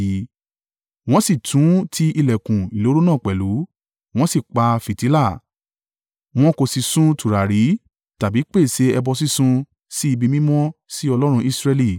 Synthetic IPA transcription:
w̃ɔ̃˦si˦˨tũ˨˦tʰi˧i˧lɛ˨kũ˨i˨lo˨˦ɾo˦nãː˦˨k͡pɛ˨lu˨˦ | w̃ɔ̃˦si˦˨k͡pa˧fi˨ti˨˦la˦˨ | w̃ɔ̃˦ko˧si˧sũ˦tu˨ɾa˨ɾi˨˦ | ta˨bi˨˦k͡pe˦˨se˧ɛ˧bɔ˧s̬i˦sũ˧ | si˦i˧bi˧mĩ˦mɔ̃˦si˦ɔ˧lɔ˦ɾ̃ũ˧i˧sɾɛ˧li˦˨

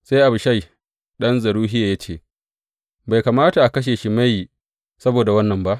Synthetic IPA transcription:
sa˦jʔa˨bʊ˨ʃa˦˨j | ɗɐ˦nzɐ˨ɽuː˦ɦɪ˦jaː˨ja˦t͡ʃeː˦˨ | ba˨jkaː˨maː˦ta˨ʔa˨kɐ˦ʃ̬eː˨ʃi˦ma˦ji˨ | sɐ˦boː˨da˨wɐ˦nːɐ˨mba˦ʔ

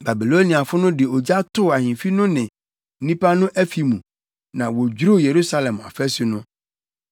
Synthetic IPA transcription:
ba˨bi˨lo˦nĩ˨a˨fʊ˦nʊ̃˦dɪ˨ɔ˨d͡ʑa˦tʰʊ˦˨a˨hɪ̃˨fi˦nʊ̃˦nɪ̃˨˦ | nĩ˦pʰa˦nʊ̃˦ʔɛ˦fi˨mũ˨ | nã˨wo˨d͡ʑɾo˦˨je˨ɾu˦sa˦lɛ̃˨ma̰˨fɛ˦su˦nʊ̃˦

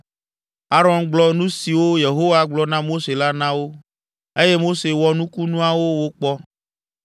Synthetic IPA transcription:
a˦ɾɔ˨˦nɡ͡blɔ˨nũ˦si˨wo˦je˨ɦo˦wa˨ɡ͡blɔ˦nã˦mo˦se˨la˦nã˦wo˦ | e˦je˦mo˦se˨wɔ˦nũ˦ku˦nũ˦a˨wo˦wo˦k͡pɔ˦

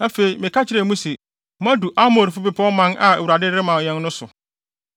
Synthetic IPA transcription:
a˦fe˨i˨mɪ̃˨kʰa˦t͡ɕʰɪ˦ɾɛ˨mũ˦sɪ˨ | m˦ã˦du˨ʔa˦mo˨ɾfʊ˦bɪ˦pʰɔ̃˦mːã˦nʔa˨e˨wu˨ɾa˨dɪ˦ɪ˦mã˨ɲɛ̃˦nnʊ̃˦sʊ̰˨

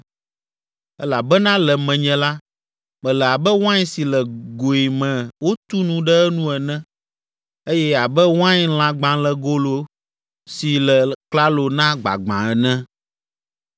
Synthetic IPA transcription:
ɛ˦la˨bɛ˦nã˦lɛ˨mɛ̃˨ɲɛ̃˨la˦ | mɛ̃˨lɛ˨a˨bɛ˦wõ˦ã˦ɲĩ˦si˨lɛ˨ɡo˨i˨mɛ̃˨wo˦t̪u˦nũ˦ɖɛ˦ɛ˦nũ˦ɛ˨nɛ̃˦ | e˦jɛ˦a˨bɛ˦wã˦ɲ˦l̃ã˨ɡ͡bã˨lɛ˨ɡo˦lo˨˦ | si˨lɛ˨kla˦lo˨nã˦ɡ͡ba̰˨ɡ͡bã̰˨ɛ˨nɛ̃˦

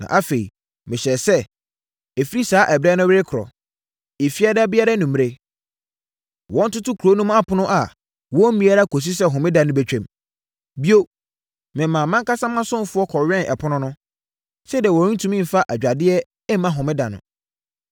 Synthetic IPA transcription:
nã̰˨ʔa˦fe˨i˨ | mɪ̃˨ɕɛ˨sɛ˦ | e˨fi˦ɾi˦saː˦ʔɛ˨bɾɛ˦nʊ̃˦wɪ˦ɪ˦kʰʊ˨ɾɔ̰˨ | e˨fi˦a˦da˦bɪ˦a˦ɾa˦nũ˨m̃˨e˦ | wɔ̃˦n̩˦tʊ˦tʊ˦kʰu˨ɾo˦nũ˦ma˦pʰʊ˨nʊ̃˦ʔa˨ | wɔ̃˦mĩ˦a˦ɾa˦kʰo˨s̬i˦s̬ɛ˦ɦʊ̃˨mɪ̃˦dã˨nʊ̃˦bæ˦t͡ɕᶣɛ̃˨m | bi˦o˦ | mɪ̃˨mã˨mã˦ŋka˦sã˦mã˦sʊ̃˦m˦fʊ˦ɔ˦kʰɔ˨ɥᶣɛ̃˦nʔɛ̰˨pʰʊ˦nʊ̃˦nʊ̃˦ | sɛ˦di˨ɛ˨wɔ˨˦ĩ˦tʰũ˦mĩ˦˨fa˦ʔæ˨d͡ʑᶣa˨dɪ˦ɛ˦ | ɛ˦mã˦ɦʊ̃˨mɪ̃˦dã˨nʊ̰̃˨

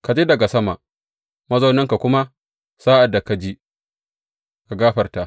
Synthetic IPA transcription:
ka˨d͡ʒi˦dɐ˨ɡa˨sɐ˦ma˨ʔ | mɐ˦zo˦nɐ˦ŋka˨kʷʊ˦ma˦ | saː˦ʔa˨da˨ka˨d͡ʒi˦ | ɡa˨ɡaː˦ɸɐ˨rta˨ʔ

